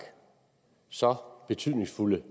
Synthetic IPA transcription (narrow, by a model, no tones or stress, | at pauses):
sɒ̽b̥e̝t͡sʰyð̰ˠne̝ŋsfulə